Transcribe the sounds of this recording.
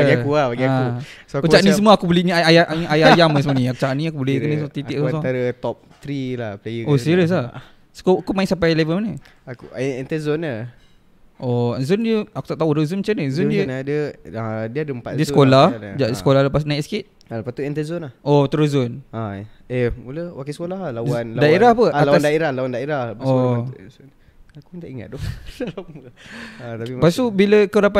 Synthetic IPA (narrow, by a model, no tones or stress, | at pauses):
baɡiakuahbaɡiausoakut͡ʃaʔnĩsəmuəakuboliɲəajaʔajajamməsəmənĩaku̥t͡ʃaʔnĩakubolekənət̪it̪iʔusaɾət̪ɔp̚t̪ɾilahplajəosiɾiəs̬la | skuakumaɪ̃ŋsampajlevəlmanə | akuɛnt̪əzonə | ʔoazundiəaku̥t̪aʔt̪auɾəzunmat͡ʃanəzundiəndəadiəadəəmpa̰t̪diəskollahd͡ʒaʔəsəkolahlapasnaiʔsə̥kit̪̚ | alapast̪uɛnt̪əzɔnahot̪əɾəzʊnaemuləwakisəkolaɦlawanladaeɾahpəalaw̪aandaiɾahlawandaeɾahbao | akutaʔiŋa̰t̪̚dɔalawa | at̪apipast̪ubiləkəɾapa